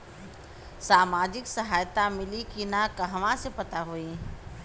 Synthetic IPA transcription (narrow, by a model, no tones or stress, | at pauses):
saːmaːd͡ʒɪksɐɦaːjt̪amɪlikinakɐɦʋãsepɐt̪aɦoi